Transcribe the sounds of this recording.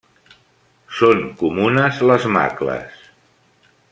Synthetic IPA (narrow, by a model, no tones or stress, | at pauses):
soŋkumunəzləzma̰klə̰s